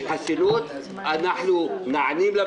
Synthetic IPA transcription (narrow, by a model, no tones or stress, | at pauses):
ħasːɪnuːt̪ | ʔanːaħnumnaʕniːmla